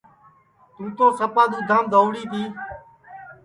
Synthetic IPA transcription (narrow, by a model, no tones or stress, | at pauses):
t̪ũːt̪õːsəpaːd̪uːd̪ʱãːmd̪oːʋɽiːt̪iː